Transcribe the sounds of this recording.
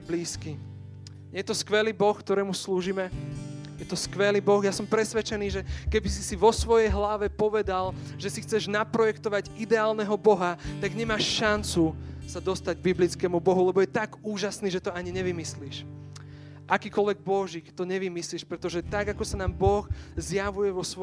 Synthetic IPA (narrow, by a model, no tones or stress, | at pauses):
bliːski | ɲɛjɛt̪ɔskʋɛliːbɔxkt̪ɔɾɛːmusluːʒimɛjɛt̪ɔskʋɛliːbɔxjasɔmpɾɛsʋɛt͡ʃɛniːʒɛkɛbisisiʋɔsʋɔjɛjɦlaʋɛpɔʋɛd̪alʒɛsixt͡sɛʒnapɾɔjɛkt̪ɔʋaɟid̪ɛaːlnɛɦɔbɔɦat̪aɡɲɛmaːʃʃant͡susad̪ɔst̪aɟ̚biblit͡skɛːmubɔɦulɛbɔjɛt̪aɡuːʒasniːʒɛt̪ɔaɲiɲɛʋimisliːʃ | ʔakiːkɔlʋɛɡ̚bɔʒiːkt̪ɔɲɛʋimisliːʃpɾɛt̪ɔʒɛt̪aɡakɔsanaːmbɔɣzjaʋujɛʋɔsʋɔ